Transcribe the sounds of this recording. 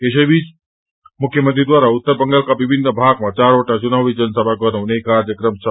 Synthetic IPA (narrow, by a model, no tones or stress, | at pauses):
keʃ̬eʋid͡ʒ | mʊkʰjəmənt̪ɾid̪ʋaːɾaʊt̪ːəɾbə̃ŋɡəlkaʋɪbʱɪnːəbʱaːɡmãt͡ʃaːɾoːʈãt͡ʃʊnaʋid͡ʒənsəbʱaɡɔnə̃ʋnekaɾjəkɾəmsə